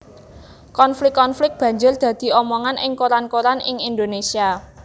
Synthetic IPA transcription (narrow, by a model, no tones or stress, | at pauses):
kɔnflɪkːɔnflɪk̚b̥ä̤ɲd͡ʒʊrd̪̥ä̤d̪̥i̤ɔmɔŋanʔɪŋkoɾankoɾanɪŋind̪onesia